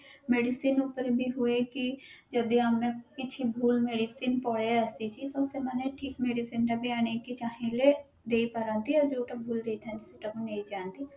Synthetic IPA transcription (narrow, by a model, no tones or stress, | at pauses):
meːɖisiːnʊpəɾbʱiːɦʊeːkɪd͡ʒəd̪ĩaːmnẽpɪt͡ʃʰibʱuːlmeːɖiːsiːnpɔːjeəst̪iːt͡ʃiːt̪õsemɛneʈʰiːkmeːɖisiːnɾabiaːneːkit͡ʃaːɦẽle | d̪eːipaɾãːnd̪iɔːɾd͡ʒoːʈəbʱuːld̪eːit̪ʰãnd͡ʒɪsiʈəkneĩd͡ʒãːnd̪iː